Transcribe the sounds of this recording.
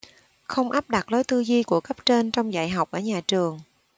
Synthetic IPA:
xə˧wŋ͡mʔaː˦˥p̚ɗa˨˩t̚lo˨˦jt̪ɨ˧zi˧ku˧˩əkə˦˥p̚t͡ɕe˧nt͡ɕɔ˧wŋ͡mza̰ː˧˩jɦa˨˩wk͡p̚ʔəː˧˩ɲaː˨˩t͡ɕɨ˨˩əŋ

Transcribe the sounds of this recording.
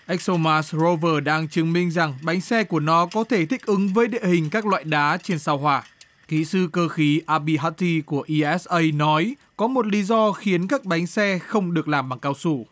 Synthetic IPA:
ʔɛ˦˥k̚so˧maː˧szo˧vəː˧˩ɗaː˧ŋt͡ɕɨ˨˦ŋmï˧ŋ̟za˨˩ŋɓa˨˦jŋ̟sɛ˧ku˧˩ənɔ˨˦kɔ˨˦t̪ʰe˧˩t̪ʰï˦˥k̟̚ʔɨ˨˦ŋvəː˨˦jɗḭ˧˨hï˨˩ŋ̟kaː˦˥k̚lwa̰ː˧˨jɗaː˨˦t͡ɕe˧nsaː˧wɦwaː˨˩ | kḭ˧˨˥sɨ˧kəː˧xi˨˦ʔaː˧ɓi˧ɦaː˦˥t̚t̪i˧ku˧˩əʔi˧ʔɛ˦˥sʔə˧jnɔ˨˦j | kɔ˨˦mo˨˩t̚li˨˦zɔ˧xi˨˦ənkaː˦˥k̚ɓa˨˦jŋ̟sɛ˧xə˧wŋ͡mɗɨ˨˩ək̚laː˨˩mɓaː˨˩ŋkaː˧wsu˧˩

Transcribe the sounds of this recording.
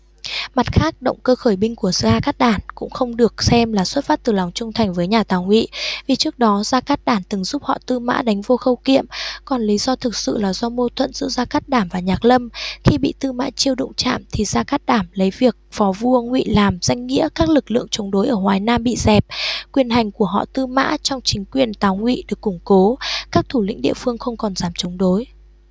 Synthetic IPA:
ma˨˩t̚xaː˦˥k̚ɗə̰˧˨wŋ͡mkəː˧xəː˧˩jɓï˧ŋ̟ku˧˩əzaː˧kaː˦˥t̚ɗaː˧˩nkʊ̰˧˥ŋ͡mxə˧wŋ͡mɗɨ˨˩ək̚sɛ˧mlaː˨˩swə˦˥t̚faː˦˥t̚t̪ɨ˨˩la˨˩wŋ͡mt͡ɕʊ˧ŋ͡mt̪ʰa˨˩jŋ̟vəː˨˦jɲaː˨˩t̪aː˨˩wŋwḭ˧˨vi˨˩t͡ɕɨ˦˥ək̚ɗɔ˨˦zaː˧kaː˦˥t̚ɗaː˧˩nt̪ɨ˨˩ŋzu˦˥p̚hɔ̰˧˨t̪ɨ˧ma̰ː˧˥ɗa˨˦jŋ̟vo˧xə˧wkḭ˧˨əmkɔ˨˩nli˨˦zɔ˧t̪ʰɨ˨˩k̚sɨ̰˧˨laː˨˩zɔ˧mo˧t̪ʰwə̰˧˨nzɨ̰˧˥zaː˧kaː˦˥t̚ɗaː˧˩mvaː˨˩ɲaː˨˩k̚lə˧mxi˧ɓḭ˧˨t̪ɨ˧ma̰ː˧˥t͡ɕi˧əwɗʊ̰˧˨ŋ͡mt͡ɕa̰ː˧˨mt̪ʰi˨˩zaː˧kaː˦˥t̚ɗaː˧˩mlə˨˦jvi˨˩ək̚fɔ˨˦vu˧əŋwḭ˧˨laː˨˩mz̥a˧jŋ̟ŋḭ˧˥əkaː˦˥k̚lɨ˨˩k̚lɨ̰˧˨əŋt͡ɕə˨˦ŋ͡mɗo˨˦jʔəː˧˩hwaː˨˩jnaː˧mɓḭ˧˨zɛ˨˩p̚kwi˨˩ənɦa˨˩jŋ̟ku˧˩əɦɔ̰˧˨t̪ɨ˧ma̰ː˧˥t͡ɕɔ˧wŋ͡mt͡ɕï˨˦ŋ̟kwi˨˩ənt̪aː˨˦wŋwḭ˧˨ɗɨ˨˩əkːʊ˧˩ŋ͡mko˨˦kaː˦˥k̚t̪ʰu˧˩lḭ̈˧˥ŋ̟ɗḭ˧˨əfɨ˧əŋxə˧wŋ͡mkɔ˨˩nzaː˨˩mt͡ɕə˨˦ŋ͡mɗo˨˦j

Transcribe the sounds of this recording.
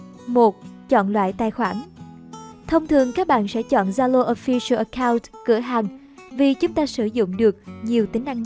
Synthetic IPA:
mo˨˩t̚t͡ɕɔ̰˧˨nlwa̰ː˧˨jt̪aː˧˩jxwaː˧˩n | t̪ʰə˧wŋ͡mt̪ʰɨ˨˩əŋkaː˦˥k̚ɓa̰ː˧˨nsɛ̰˧˥t͡ɕɔ̰˧˨nzaː˧lo˧ʔo˧fi˧sə˧ʔə˧kaː˧wntkɨ̰˧˩əɦaː˨˩ŋ | vi˨˩t͡ɕʊ˨˦ŋ͡mt̪aː˧sɨ˧˩zʊ̰˧˨ŋ͡mɗɨ˨˩ək̚ɲi˨˩əwt̪ï˨˦ŋ̟ʔa˧ŋ

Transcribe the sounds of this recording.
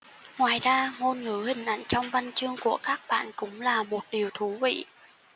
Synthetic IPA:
ŋwaː˨˩jzaː˧ŋo˧nŋɨ˧˦hï˨˩ŋ̟ʔa̰˧˩jŋ̟t͡ɕɔ˧wŋ͡mva˧nt͡ɕɨ˧əŋku˧˩əkaː˦˥k̚ɓa̰ː˧˨nkʊ̰˧˥ŋ͡mlaː˨˩mo˨˩t̚ɗi˨˩əwt̪ʰu˨˦vḭ˧˨

